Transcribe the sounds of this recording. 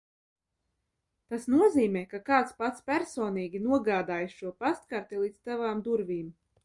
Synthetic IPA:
t̪asnuɔziːmɛːkakaːt̪spat̪spʲæɾsoːniːɡʲinuɔɡaːd̪aːjsʃuɔpast̪kaɾt̪ɛlˠiːd̪st̪avaːmd̪uɾvʲiːm

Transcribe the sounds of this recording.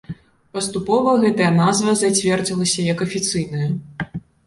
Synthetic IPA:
pɐst̪upɔvɐɣɛt̪ɐjɐnazvɐzat͡sʲvʲɛrd͡zʲilˠɐsʲɐjɐkɐfʲit̪sɨjnɐjɐ

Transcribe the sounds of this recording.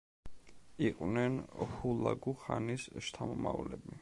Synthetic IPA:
iqʼwnɛnhulˠaɡuχanisʃt̪ʰamɔmavlɛbi

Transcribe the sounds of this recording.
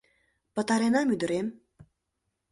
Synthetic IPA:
pə̆t̪ɑɾenɑmyd̪ə̆ɾem

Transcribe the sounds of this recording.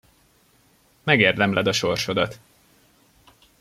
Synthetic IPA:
mɛɡeːrd̪ɛmlɛd̪ɒʃo̞rʃo̞d̪ɒt̪

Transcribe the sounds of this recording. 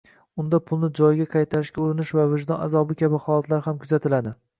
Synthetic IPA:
ʊnd̪apʰʊlˠnɪd͡ʒɒjɡʲaqʰɑjt̪ʰaɾɪʃkʲaʊɾɪnɪʃvavɪʒd̪ɒnazɒbɪkʲʰabɪχɒlˠat̪laɾhamkʰʊzat̪ʰɪlad̪ɪ

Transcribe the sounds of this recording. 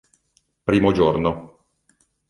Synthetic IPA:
pɾiːmod͡ʒorno

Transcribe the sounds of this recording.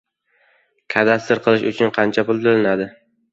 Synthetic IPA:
kʲʰad̪ast̪ɪɾqʰɨlˠɪʃʊt͡ʃʰʊnqʰɑnt͡ʃʰapʊlˠd̪ʊlɪnad̪ɪ

